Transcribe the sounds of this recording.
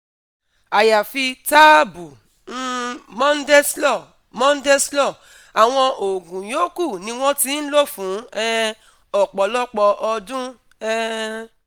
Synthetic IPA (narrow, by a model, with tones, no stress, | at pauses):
a˨ja˨fi˧ta˦bu˨ | n̩˦mɔ̃˦n̩˦dɛ˦slɔ˦˨ | mɔ̃˦n̩˦dɛ˦slɔ˦˨ | a˨w̃ɔ̃˧ʔo˨ɡũ˨j̃o˦ku˦˨nĩ˧w̃ɔ̃˦ti˦n̩˦lo˦fũ˨˦ɛ˧ | ɔ˨k͡pɔ˨lɔ˦k͡pɔ˧ʔɔ˧dũ˦ | ɛ˦